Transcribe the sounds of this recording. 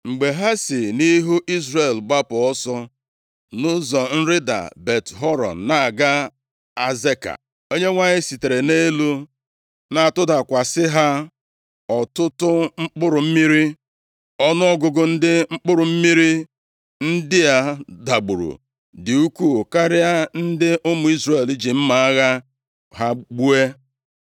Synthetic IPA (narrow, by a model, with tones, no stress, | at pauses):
ŋ͡m̩˨ɡ͡be˨ɦa˦sɪ˨ni˦ɦu˦ʔi˦zɾe˨lɡ͡ba˦pʊ˨ɔ˦sɔ˦ | nʊ˦zɔ˨n̩˦ɾɪ˦da̰˨be˨tɦɔ˦ɾɔ̰˨nna˨a˨ɡa˦ | a˦ze˦ka̰˨ | o˦ɲe˦ŋʷa˦ɲɪ˦si˨te˨ɾe˨ne˦lu˦ | na˨a˨tʊ˦da˨kʷa˨sɪ˦ɦa˦ | ɔ˨tʊ˦tʊ˦ŋ͡m̩˦k͡pʊ˦ɾʊ˨m̩˦mi˦ɾi˦ | ɔ˦nʊ˦ɔ˦ɡʊ˨ɡʊ˨n̩˦dɪ˦ŋ͡m̩˦k͡pʊ˦ɾʊ˨m̩˦mi˦ɾi˦ | n̩˦dɪ˦a˨da˨ɡ͡bʊ˨ɾṵ˨ | dɪ˨u˦ku˦˨ka˦ɾɪ˦a˦n̩˦dɪ˦ʔʊ˦mʊ˨˦i˦zɾe˦˨li˦d͡ʒi˨m̩˦ma˨a˦ɣa˦ | ɦa˦ɡ͡bu˦e˦